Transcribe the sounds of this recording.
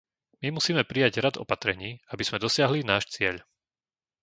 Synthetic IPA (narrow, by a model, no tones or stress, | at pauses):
mimusiːmɛpɾijaɟɾad̪ɔ̰pat̪ɾɛɲiːabiz̥mɛd̪ɔsɪaɦlinaːʃt͡sɪɛʎ